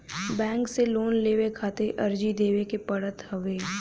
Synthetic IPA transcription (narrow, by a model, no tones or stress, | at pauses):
bɛ̃ːŋkseloːnleːʋekʰaːt̪eʔɐɾd͡ʒid̪eːʋekepɐɽət̪hɐʋeː